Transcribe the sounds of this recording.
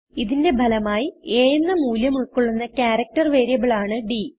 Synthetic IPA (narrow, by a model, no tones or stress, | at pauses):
iðinde̞bʱɐlɐmaːjieːjnːɐmuːljɐmuɭkːuɭːunːɐkʲaːɾɐk̚tɐrʋe̞ːɾjɐbɐɭaːɳɨɖi